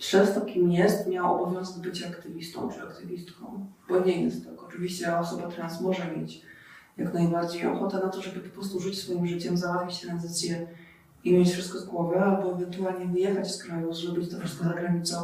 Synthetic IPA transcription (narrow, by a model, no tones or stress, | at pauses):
pʂɛst̪ɔkʲimjɛst̪mʲjawaɔbɔvʲjɔnzɛɡ̪bɘt͡ɕaːkt̪ɘvʲist̪ɔ̰̃w̃t͡ʂɨakt̪ɨvʲist̪kɔ̰̃w̃b̥ɔɲɛjɛst̪ːakɔt͡ʂɨvʲiɕt͡ɕɛɔsɔbat̪ɾansmɔʐɛmʲjet͡ɕjaknajbaɾd͡ʑejɔ̰xɔt̪ɛnat̪ɔʐɛbɘpɔpɾɔst̪uʐɨt͡ɕsfɔjimʐɘt͡ɕɛmzawat̪fʲit͡ɕt̪ɾanzɘt̪sʲjɛ | imʲjet͡ɕfʂɘst̪kɔzɡwɔvɘalbɔɛvɛnt̪ualɲɛvɘjɛxat͡ɕskɾajuzɾɔbʲit͡ɕt̪ɔfʂɨst̪kɔzaɡɾaɲit̪sɔ̃